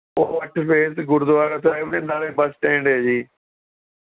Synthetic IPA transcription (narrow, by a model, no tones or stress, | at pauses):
oːəʈʰpʰeːsɡʊɾd̪ʊʋaːɾət̪aːɪnẽːnaːleːbəsʈẽːɳɖɦeːd͡ʒiː